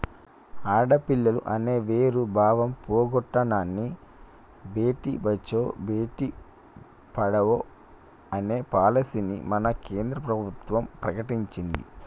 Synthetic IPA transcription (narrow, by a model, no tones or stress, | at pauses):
aːɖɐpilːɐlṵʔɐne̞ːʋe̞ːɾubʱaːʋɐmpoːɡɔʈːɐnaːnːi | bʱeːʈḭʋɐt͡ʃoːbʱeːʈi | pɐɽɐʋo | ɐne̞ːpaːlɐsinḭmɐnɐke̞ːnd̪ɾɐpɾɐbʱut̪ʋɐmpɾɐkɐʈiɲt͡ʃind̪ḭ